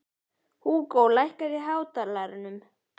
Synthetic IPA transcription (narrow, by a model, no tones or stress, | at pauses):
huːkowlajhkaɾɪɦaːwt̪alaɾʏnʏm